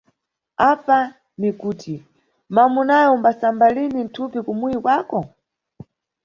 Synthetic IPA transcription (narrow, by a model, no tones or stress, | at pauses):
apa | nikuːtʰi | mamunajɔumbasambalinin̩tʰupikumuikwakɔ